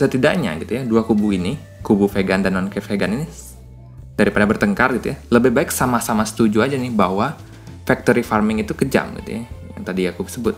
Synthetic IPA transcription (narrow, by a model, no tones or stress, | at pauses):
sət̪idaʔɲa̰ɡit̪ujaduakubuini | kubufeɡandanːɔnkəfeɡanini | d̥aɾipadabərt̪əŋkarɡit̪ujaləbɪbaɪksamasamasə̥t̪ud͡ʒuad͡ʒanɪhbaɦwa | fak̚t̪oɾifarmɪŋit̪ukəd͡ʒa̰mɡḭt̪ṵjaja̰ŋt̪adiakubsəbʊt̪̚